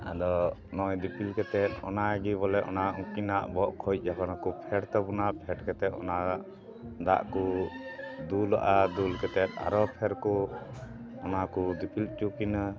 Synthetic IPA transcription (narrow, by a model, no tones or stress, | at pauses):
a̰d̪ɔnɔjd̪ipilkɛt̪ɛt̪̚ɔ̰naɡiβɔlɛʔɔ̰naũkinaʔbɔʔkʰɔjc̚ˀd͡ʒakanakupʰɛɽt̪ɔbunapʰɛɖkɛt̪ɛt̪̚ɔ̰naʔ | d̪a̰ʔku | d̪ula̰ʔad̪ulkɛt̪ɛt̪̚a̰ɾɔpʰɛɾkɔ | ɔnakud̪ipilt͡ʃukina